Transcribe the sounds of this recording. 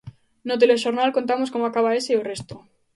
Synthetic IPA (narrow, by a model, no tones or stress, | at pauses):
not̪̬eleʃoɾnalkont̪amoskomoakaβ̞aeseorest̪o